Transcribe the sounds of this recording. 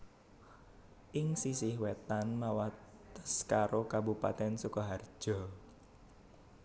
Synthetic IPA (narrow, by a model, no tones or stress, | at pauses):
ʔɪŋsisɪhwet̪anmawat̪ə̥skaɾokabupa̰t̪ɛnsukɔɦard̥ʒ̥ɔ